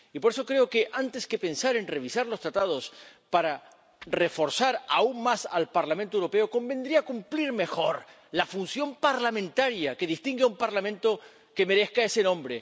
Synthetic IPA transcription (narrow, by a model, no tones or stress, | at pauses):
ipoɾes̬o̞kɾe̞o̞ke̞ʔant̪e̞ske̞pe̞nsaɾe̞nre̞βisaɾlo̞st̪ɾat̪aðo̞spaɾa | re̞fo̞ɾsaɾauŋmasalpaɾlamẽnt̪oewɾo̞pe̞o̞ko̞mbend̪ɾiakumpliɾme̞xo̞ɾ | lafunsjo̞mpaɾlamẽnt̪aɾjake̞ðist̪iŋɡeaumpaɾlamẽ̞nt̪o̞ | ke̞me̞ɾe̞skae̞se̞nõ̞mbɾe̞